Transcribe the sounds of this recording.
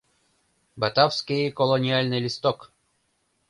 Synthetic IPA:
bɐt̪afskʲɪjkɔlˠɔnʲɪalʲnɨjlʲɪst̪ɔk

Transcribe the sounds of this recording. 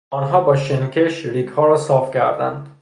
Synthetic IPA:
ɒːnɦɒːbɒːʃenkʰeʃɾiːɡhɒːɾɒːsɒːfcʰæɾd̪æ̰nd̪

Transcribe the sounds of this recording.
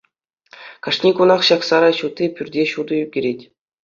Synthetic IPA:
kɑʂnʲikunɑχɕɑksɑɾɑɕut̪ʲːipʲyrʲdʲeɕud̪ɤ̆jyɡʲĕɾʲetʲ

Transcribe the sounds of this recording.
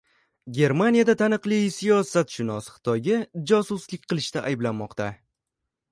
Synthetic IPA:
ɡʲe̞ɾmanijad̪at̪ʰanɨqlˠisijɒsat̪ʃɪnɒsχɨ̥t̪ʰɒjad͡ʒɒsʊslɪk̚ʲqʰɨlˠɪʃt̪aʔajɪblanmɒqt̪a

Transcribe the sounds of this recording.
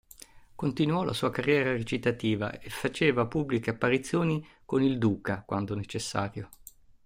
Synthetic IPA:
kont̪inuɔlʔa̰suːakarːjɛːɾaret͡ʃit̪at̪iːva̰efːat͡ʃeːvapubːlikeapːaɾit̪sːjoːni | konild̪uːkakwʔand̪onet͡ʃesːaːɾjo

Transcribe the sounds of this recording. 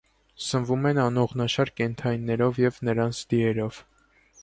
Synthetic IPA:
sənvumɛnɑnɔʁnɑʃɑɾkɛnt̪ʰɑjnːɛɾɔvjɛvnəɾɑnt͡sʰd̪iɛɾɔv̥

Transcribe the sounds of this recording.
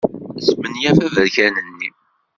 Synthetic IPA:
smənjæfæðəɾçænənːi

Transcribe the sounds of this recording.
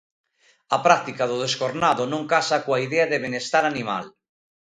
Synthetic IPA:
apɾak̚t̪ikaðʊðeskoɾnaðonõŋkasakoaiðeaðeβenest̪aɾanima̰l

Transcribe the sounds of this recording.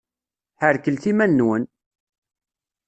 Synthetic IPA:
ħəɾkəlθimænːwən

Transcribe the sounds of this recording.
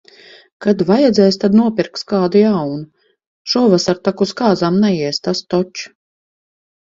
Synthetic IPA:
kad̪vajɛd̪zʲɛjst̪ad̪nuɔpʲiɾkskaːd̪ujawnu | ʃɔɔvasaɾt̪akuskaːzamnɛjiɛst̪ast̪ɔt͡ʃ

